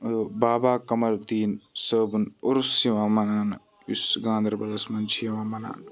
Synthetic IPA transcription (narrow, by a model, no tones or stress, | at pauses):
baːbaːkɐmɐɾd̪iːnsəbnoɾsiʋãːmɐnaːn | usɡãːnd̪ɾbɐlɐsmɐnt͡ʃʰjɐʋãːmɐna̰ːn